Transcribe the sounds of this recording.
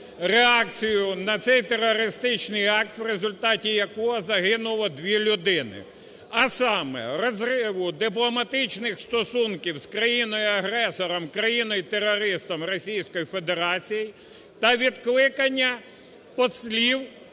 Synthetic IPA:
ɾeɑk̚t͡sʲijʊnɐt̪sɛjt̪eɾɔɾɪst̪ɪt͡ʃnɪjɑk̚t̪ʋrezʊlʲt̪ɑtʲijɐkɔɦɔzɐɦɪnʊlˠɔd̪ʋʲilʲʊd̪ɪnɪ̰ | ɐsɑmɛ̰ɾɔzrɪʋʊd̪ɪp̬lˠɔmɐt̪ɪt͡ʃnɪxst̪ɔsunkʲiwskɾɐjinɔjʊɐɦɾɛsɔɾɔmkɾɐjinɔjt̪eɾɔɾɪst̪ɔmrɔsʲijsʲkɔjifed̪e̞ɾɑt͡sʲiji | t̪ɐʋʲid̪klˠɪkɐnʲːɐ | pɔsʲlʲiw

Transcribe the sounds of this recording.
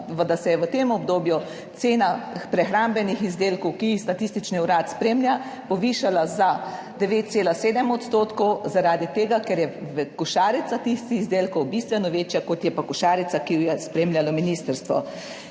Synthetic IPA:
ʋəd̪asɛjɛʋət̪eːmɔbd̪oːbju | t̪seːnapɾɛxɾambɛnixizd̪eːlkɔwkixst̪at̪ist̪it͡ʃniuɾat̪spɾeːmlʲjapɔʋiːʃalazad̪ɛʋeːt̪̚seːlaseːd̪ɛmɔt̪st̪oːt̪kɔwzaɾaːd̪it̪eːɡakɛɾjɛʋɛkuʃaːɾit̪sat̪ixst̪ixizd̪eːlkɔwbist̪ʋɛnɔʋeːt͡ʃjakɔt̪jɛpakuʃaːɾit̪sakijɛspɾeːmljalɔminiːst̪əɾst̪ʋɔ̰

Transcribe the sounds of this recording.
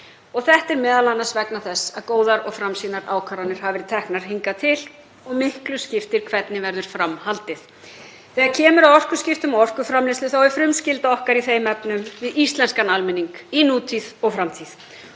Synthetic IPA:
ɔɣθɛht̪ɛɾmɛːðalanːasvɛknaθɛsːaðkoːwðaɾɔɣfɾamsiːnaɾaːwkʰaɾanɪɾ̥havɛɾɪt̪ʰɛhknaɾ̥hiŋkat̪ʰɪl | ɔɣmɪhklʏscɪft̪ɪɾ̥kʰvɛt̪nɪvɛɾðʏɾ̥fɾamhalt̪ɪθ | θɛːɣaɾcʰɛːmʏɾawɔr̥kʏ̥scɪft̪ʏmaɔr̥kʏfɾamlɛst̪ʏθawɛɾ̥fɾʏmscɪlt̪aɔhkaɾiθejmɛpnʏmvɪðist̪lɛnskanalmɪniŋkinuːt̪ʰiðɔɣfɾamt̪ʰið

